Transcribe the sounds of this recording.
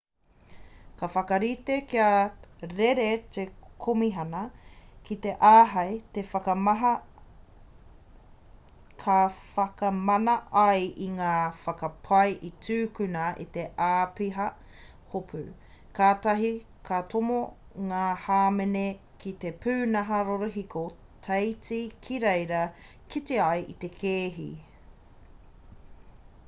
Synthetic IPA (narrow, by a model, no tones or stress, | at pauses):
kɐfɐkɐɾit̪ekiɐɾeɾet̪ekʰomiɦɐnɐkit̪eʔaːɦɐjt̪efɐkɐmɐɦɐ | kʰɐfɐkɐmɐnɐʔɐjʔiŋaːfɐkɐpʰɐjʔitʰʉːkʉnɐḭt̪e̞ʔaːpiɦɐ | hopʰʉ̰ | kaːtɐɦi | kʰatʰomo | ŋaːhaːmene | kʰit̪epʰʉːnɐɦɐɾoɾoɦiko | tʰɐjt͡sikʰiɾejɾɐ | kiteɐjʔḭt̪ekʰeːɦḭ